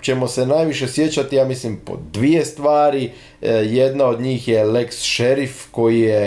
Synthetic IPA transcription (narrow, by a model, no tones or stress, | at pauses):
t͡ɕe̞mo̞se̞naːjʋiʃe̞sje̞t͡ɕat̪ijaːmislimpo̰d̪ʋije̞st̪ʋaːɾi | je̞d̪nao̞d̪ɲiːxje̞leksʃe̞ɾifko̞jije